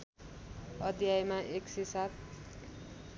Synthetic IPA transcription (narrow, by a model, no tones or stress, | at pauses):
ʌd̪jajmaʔeksisat̪̚